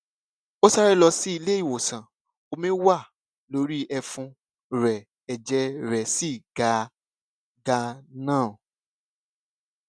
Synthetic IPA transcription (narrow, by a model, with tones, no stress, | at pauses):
o˦sa˦ɾɛ˦lɔ˧si˦i˧le˦i˦˨wo˨sã˨ | o˧mĩ˦wa˦˨ | lo˨˦ɾi˦ɛ˧fũ˧ | ɾɛ˨ | ɛ˨d͡ʒɛ˧˦ɾɛ˨si˦˨ɡa˨˦ | ɡa˧nãː˦˨